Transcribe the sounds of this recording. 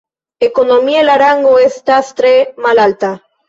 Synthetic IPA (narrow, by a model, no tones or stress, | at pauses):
ekonomiaelaɾaŋɡoest̪ast̪ɾemalalt̪a